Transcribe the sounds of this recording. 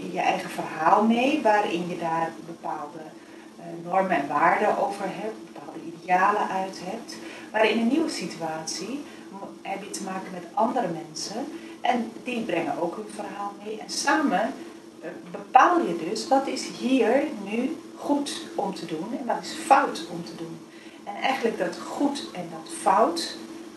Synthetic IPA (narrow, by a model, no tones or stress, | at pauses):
jəʔɛjχəv̥ərɦaːlˠmejʋaːɾɪ̰njədaːrbəpaːlˠdə | nɔɹmənɛnʋaːɹdəʔowvəɹɦɛp̚tbəpaːlˠdəideaːləʔœɥtɦɛp̚tʋaːɾɪnəniwəsityaːtsi | ɦɛbjətəmaːkənmɛtʔɑndəɾəmɛnsən | ʔɛndibrɛŋənʔowkɦənvərɦaːlˠmejɛnsaːmə | bəpaːlˠjədɵsʋɑtɪsɦiːɹny | χutɔmtədunɛnʋɑtɪsfʌwtɔmtədun | ɛnɛjχənləɡ̚dɑtχutɛndɑtfʌwt